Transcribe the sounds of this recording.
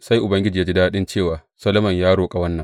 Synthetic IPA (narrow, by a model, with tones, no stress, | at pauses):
sa˦jʔʊ˨bɐ˦ŋɡʲɪ˦d͡ʒiː˨ja˦d͡ʒi˦daː˦ɗɪ˦nt͡ʃeː˦˨waː˨ | sɐ˦lɐ˦mɐ˨ɲjaː˦ɽoː˨kʼa˨wɐ˦nːɐ˨ŋ